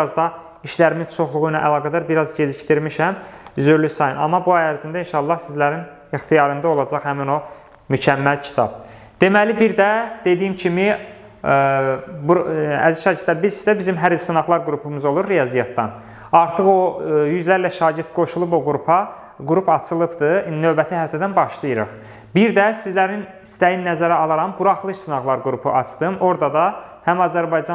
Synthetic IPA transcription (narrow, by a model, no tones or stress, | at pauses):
ɑzd̪ɑ | iʃlæɾimizt͡ʃʰo̞χlˠuɣujnɑʔælˠɑːɡæd̪æɾbiɾɑzɟe̞ziʃt̪iɾmiʃæmyzyɾlysɑjɯnɑ̰mːɑbuɑjæɾzind̪æinʃɑlˠːɑhsizlæɾin | ixt̪ʰijɑɾɯnd̪ɑo̞lˠɑd͡ʒɑχhæmino̞ | mycʰæmːælcʰi̥t̪ʰɑ̰b̥̚ | d̪̥e̞mælibiɾd̪æd̪e̞d̪ijimcʰimi | buæ̰ziʃɑːɟiɾt̪ːæbizsi̥zd̪æbizimɦæɾisɯnɑɣlˠɑɾɡuɾupʰumɯzo̞lˠuɾːijɑzijɑt̪ːɑ̰n | ɑɾt̪ʰɯχojyzlæɾlæʃɑːɟiɾt̪ɡo̞ʃulˠuboɡuɾupʰɑ | ɡuɾupʰɑt͡ʃʰɯlˠɯpd̪ɯnø̞vbæt̪ʰihæft̪ʰæd̪ænbɑʃlˠɯjɯɾɯ̰χ | biɾd̪æsizlæɾin | ist̪æjinːæzæɾæɑlˠɑɾɑmbuɾɑχlˠɯʃsunɑɣlˠɑɾɡuɾupʰṵʔɑt͡ʃʰd̪ɯmo̞ɾd̪ɑd̪ɑ | hæmɑzæɾbɑjd͡ʒɑ